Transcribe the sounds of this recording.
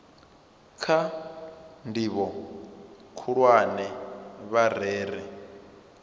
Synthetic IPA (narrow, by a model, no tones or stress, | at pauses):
kʰa | ndiβɔ | kʰuɺwanɛβar̤ɛːɾɛ